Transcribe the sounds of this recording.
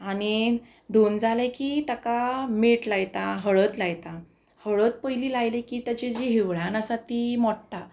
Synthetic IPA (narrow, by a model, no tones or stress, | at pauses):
aɽ̃i | d̪ʱond͡zʱalekiːt̪akameʈlajt̪aɦəɭət̪lajt̪a | həɭət̪̚pəjliːlajlekiːt̪jat͡ɕed͡ʑiɦiʋɭãnəsat̪iːmɔʈʈa